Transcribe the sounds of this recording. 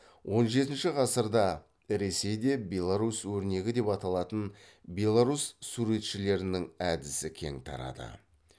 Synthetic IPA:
wʔo̞nʒe̞t̪ɪnʃɪʁɑsəɾd̪ɑ | ɾe̞se̞jd̪e̞bʲe̞lˠaɾuswɵɾne̞ɡʲɪd̪e̞pɑt̪ɑlˠɑt̪ən | bʲe̞lˠaɾussuɾe̞t̪ʃɪle̞ɾɪnɪŋæd̪ɪsɪkʲʰe̞̰ŋt̪ʰɑ̰ɾɑ̰d̪ə̰

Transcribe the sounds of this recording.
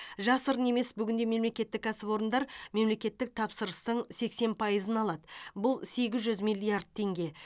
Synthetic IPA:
ʒɑsəɾəne̞me̞sbʏɡʲɪnd̪e̞me̞mle̞kʲe̞t̪ːɪkːæsɪvo̞ɾənd̪ɑɾme̞mle̞kʲe̞t̪ːɪk̚t̪ʰɑpsəɾəst̪əɴse̞kse̞npʰɑjəzənɑlˠɑd̪əbʊlˠse̞ɡʲɪzʒʏzmijlʲˠːijard̪̚t̪ʰe̞ŋɡʲe̞

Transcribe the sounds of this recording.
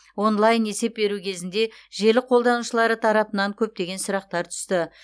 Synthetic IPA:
wo̞nlˠajne̞se̞p̚be̞ɾukʲʰe̞zɪnd̪e̞ʒe̞lɪqʰo̞lˠd̪ɑnuʃəlˠɑɾət̪ʰɑɾɑpənɑŋkʲʰɵp̚t̪e̞ɡʲe̞nsʊɾɑq̚t̪ɑɾt̪ʰʏ̥st̪ɪ

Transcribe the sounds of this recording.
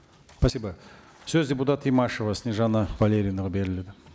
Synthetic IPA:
pʰasʲiba | sɵzdʲe̞put̪at̪ijmaʃovasnʲeʒɑnɑvalʲe̞ɾʲijnəʁɑbe̞ɾɪle̞d̪ɪ

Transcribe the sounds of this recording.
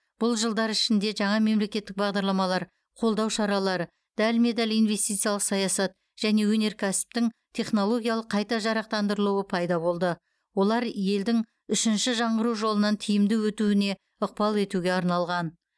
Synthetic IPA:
b̥ʊlˠʒəlˠd̪ɑɾɪʃɪnd̪e̞ʒɑɴɑme̞mle̞kʲe̞t̪ːɪk̚bɑʁd̪ɑɾlˠɑmɑlˠɑɾ | qʰo̞lˠd̪ɑwʃɑɾɑlˠɑɾə | d̪̥ælme̞d̪ɑlʲijnve̞st̪ijt̪sɨialˠəqsɑjɑsɑt̪ | ʒ̥æne̞wɵne̞ɾkʲʰæsɪ̥p̚t̪ɪŋt̪ʲʰe̞χno̞lˠo̞ɡʲijɑlˠəqʰːɑjt̪ɑʒɑɾɑq̚t̪ɑnd̪əɾəlˠuwəpʰɑjd̪ɑbo̞lˠd̪ə | wo̞lˠɑɾje̞ld̪ɪŋ | ʏʃɪnʃɪʒɑɴʁəɾuʒo̞lˠənɑnt̪ʰijɪmd̪ɪwɵt̪uɪne̞ | ʊq̚pɑlˠe̞t̪uɡʲe̞ɑɾnɑlˠʁɑn

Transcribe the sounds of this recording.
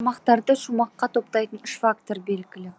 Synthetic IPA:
mɑqt̪ɑɾd̪əʃumɑqːɑt̪ʰo̞pt̪ɑjt̪ənʏʃfak̚t̪o̞ɾbe̞lɡʲɪlɪ

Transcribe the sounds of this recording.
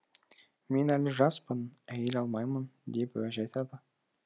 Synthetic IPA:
me̞nælɪʒɑspənæjelɑlˠmɑjmənd̪e̞pwæʒɑjt̪ʰɑd̪ə

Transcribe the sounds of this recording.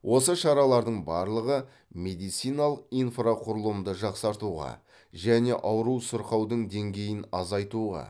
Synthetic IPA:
wʔo̞səʃɑɾɑlˠɑɾd̪əɴbɑɾlˠəʁə | me̞d̪ijt̪sijnɑlˠəqijnfraqʰʊɾəlˠəmd̪əʒɑqsɑɾt̪uʁɑ̰ | ʒæne̞ʔɑwɾuwsʊɾqɑwd̪əɴd̪e̞ŋɡʲe̞jɪnɑzɑjt̪uʁɑ̰

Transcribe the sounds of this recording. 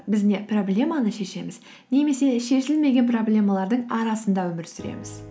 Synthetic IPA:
bɪzne̞pro̞blʲe̞manəʃe̞ʃe̞mɪz | ne̞me̞se̞ʃe̞ʃɪlme̞ɡʲe̞npro̞blʲe̞malˠɑɾd̪əɴɑɾɑsənd̪ɑwɵmɪɾsʏɾḛmɪz

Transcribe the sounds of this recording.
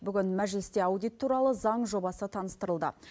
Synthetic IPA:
bʏɡʲɪnmæʒlɪst̪e̞ɑwd̪ijt̪ʰːuɾɑlˠəzɑɴʒo̞bɑsət̪ʰɑnəst̪əɾəlˠd̪ə̰

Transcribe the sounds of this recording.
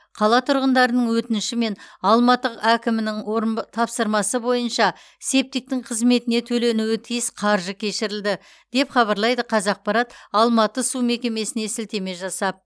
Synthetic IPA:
qʰɑlˠɑt̪ʰʊɾʁənd̪ɑɾənəɴwɵt̪ɪnʃɪme̞nɑlˠmɑt̪əqækʲɪmɪnɪŋɾt̪ʰɑpsəɾmɑsəbo̞jənʃɑ | se̞p̚t̪ɪk̚t̪ɪŋqʰəzme̞t̪ɪne̞t̪ʰɵle̞nuwɪt̪ʰijɪsqʰɑɾʒəkʲʰe̞ʃɪɾɪld̪ɪ | d̪̥e̞pχɑβɑɾlˠɑjd̪əqʰɑzɑq̚pɑɾɑt̪ɑlˠmɑt̪əsume̞kʲe̞me̞sɪne̞sɪlt̪e̞me̞ʒɑsɑp̚

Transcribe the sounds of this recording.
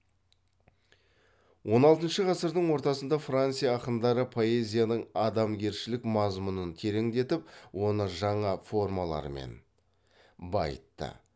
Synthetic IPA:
wo̞nɑlˠt̪ənʃəʁɑsəɾd̪əɴwo̞ɾt̪ɑsənd̪ɑfrant̪sijaːqənd̪ɑɾəpʰo̞e̞zʲijanəɴɑd̪ɑmɡʲe̞ɾʃɪlɪkmɑzmunənt̪ʰe̞ɾe̞ŋd̪e̞t̪ɪpwo̞nəʒɑɴɑfo̞rmɑlˠɑ̰ɾmḛn | bɑ̰jət̪ːə̰

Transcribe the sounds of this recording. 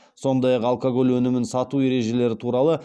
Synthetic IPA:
so̞nd̪ɑjɑqɑlˠkoɡo̞lwɵnɪmɪnsɑt̪ue̞ɾe̞ʒe̞le̞ɾɪt̪ʰuɾɑlˠə

